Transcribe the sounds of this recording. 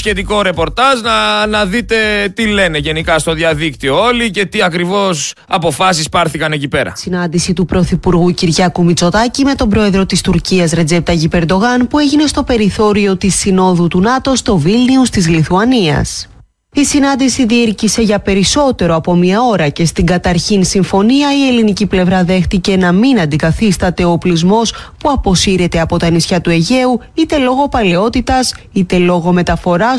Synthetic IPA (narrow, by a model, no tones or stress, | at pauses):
sçe̞t̪iko̞ɾe̞po̞ɾt̪ɐʒnɐnɐðit̪e̞t̪ile̞ne̞ʝe̞nikɐst̪o̞ðiɐðikt̪io̞olice̞t̪iɐkɾivo̞s | ɐpo̞fɐs̬ispɐɾθikɐnecipe̞ɾɐ̰sinɐnd̪isit̪upɾo̞θipuɾɣuciɾʝɐkumit͡so̞t̪ɐcime̞t̪o̞mbɾo̞e̞ðɾo̞t̪ist̪uɾciɐzɾe̞d͡ze̞p̚t̪ɐʝipe̞ɾd̪o̞ɣɐnpue̞ʝine̞st̪o̞pe̞ɾiθo̞ɾio̞t̪isino̞ðut̪unɐt̪o̞st̪o̞vilniust̪izliθuɐniɐ̰s | isinɐnd̪isiðiiɾcise̞ʝɐpe̞ɾiso̞t̪e̞ɾo̞ɐpo̞miɐo̞ɾɐce̞st̪iŋɡɐt̪ɐɾçinsiɱfo̞niɐie̞liniciple̞vɾɐðe̞xt̪ice̞nɐminɐnd̪ikɐθist̪ɐt̪e̞o̞plizmo̞spuɐpo̞siɾe̞t̪e̞ɐpo̞t̪ɐnisçɐt̪ue̞ʝe̞u | it̪e̞lo̞ɣo̞pɐle̞o̞t̪it̪ɐsit̪e̞lo̞ɣo̞me̞t̪ɐfo̞ɾɐ